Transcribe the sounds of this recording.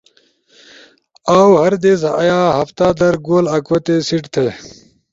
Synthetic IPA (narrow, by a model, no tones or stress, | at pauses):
aːwhɐɾd̪eːzɐʔɐjaːɦɐft̪aːd̪ɐɾɡoːlɐkwɐt̪esiʈt̪ʰe